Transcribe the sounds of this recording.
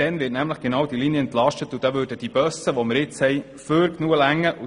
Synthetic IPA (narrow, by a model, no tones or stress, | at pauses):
ɛnʋɪːtnæmləχɡ̥enɑːwd̥iliniəɛnt̪lɑʃtətud̥ɑʋøːɾdəd̥ib̥œsəʋɔməɾɪt͡shɛj | føɾknuəlæŋːəʔu